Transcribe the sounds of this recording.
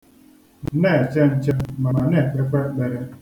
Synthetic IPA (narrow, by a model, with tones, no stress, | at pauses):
ne˦˨t͡ʃe˦n̩˦t͡ʃe˦ma˨a˨ne˦˨ke˦ka˦ɡ͡be˨ɾe˦